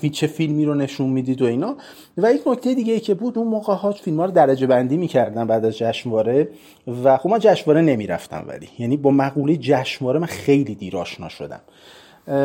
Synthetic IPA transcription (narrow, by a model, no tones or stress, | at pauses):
fit͡ʃʰe̞filmiːɾone̞ʃunmid̪iːd̪o̞inɒ | væjecʰnocʰt̪e̞jed̪iːɟejicʰe̞buːd̪unmoːɣeɦɒːt͡ʃfilmhɒːɾod̪æɾæd͡ʒe̞bænd̪iːmiːcʰæɾd̪ænbæːd̪æzd͡ʒæʃmvɒːɾe̞ | væxob̥̚mænd͡ʒæʃmvɒːɾene̞miɾæ̰ft̪æ̰mvæ̰lḭjænibɒːmæɣuːlejed͡ʒæʃmvɒːɾemænxe̞jliːd̪iːɾɒːʃnɒ̰ːʃo̞̰d̪æ̰m